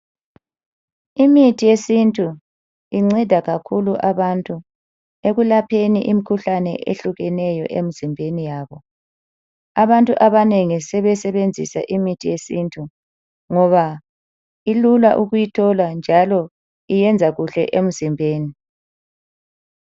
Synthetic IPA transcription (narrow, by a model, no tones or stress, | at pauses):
imitʰijesintʼu | iŋ͡ǀɛdʱaɣakʰuluʔaβantʼu | eɣulapʰeniʔimikʰuɬanɛ̰ʔḛɬuɣɛnɛjɔ̰ʔḛm̩zimbʱenijaːβɔ | aβantʼuʔaβaneŋisɛβɛsɛβend͡zʱḭsa̰ʔimitʰijesintʼʰu | ŋɔβa | ilula̰ʔuɣujitʰɔland͡ʒʱalɔ | ijɛnd͡zʱaɣuɬɛ̰ʔem̩zimbʱeːni